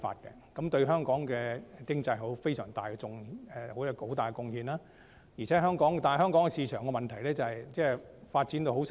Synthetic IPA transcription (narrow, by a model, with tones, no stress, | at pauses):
fa̰ː˧t̚kɛ̰˧kɐ˨˥mt̪ɵ˧ɥɦœː˥ŋkɔː˨˥ŋkɛː˧˨kɪ˥ŋt͡sɐ˧jɦo˨˥wfe˥jsœː˨˩ŋt̪aː˨˩jkɛ˧t͡sʊ˧ŋɛ˨˧ho˨˥ja˧ko˨˥wt̪aː˨jkɛ˧kʊ˧ŋhiː˧nlaː˥ | jiː˨˩t͡sʰɛː˨˥ɦœː˥ŋkɔː˨˥ŋt̪aː˨n˨˩ɦœː˥ŋkɔː˨˥ŋɛ˧siː˧t͡ʃʰœː˨˩ŋkɛ˧mɐ˨nt̪ʰɐ˨˩jlɛː˥t͡sɐ˨hɐ˨jt͡sɛː˥˩faː˧t̚t͡siː˨˥nt̪o˧wɦo˨˥ws